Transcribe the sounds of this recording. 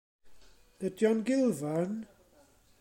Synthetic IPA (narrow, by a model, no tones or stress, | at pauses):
ədjɔnɡɪlˠvan